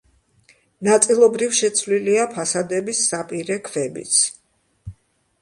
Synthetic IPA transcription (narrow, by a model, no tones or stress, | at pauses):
nat̪sʼilˠɔbɾifʃɛt̪sʰvliliapʰasad̪ɛbisːapʼiɾɛkʰvɛbḭt̪sʰ